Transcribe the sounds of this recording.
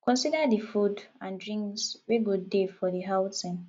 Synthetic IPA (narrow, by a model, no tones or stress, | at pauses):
kɔ̃nsidadifudãndɹĩŋksweɡodefɔdiɦaʊtĩŋ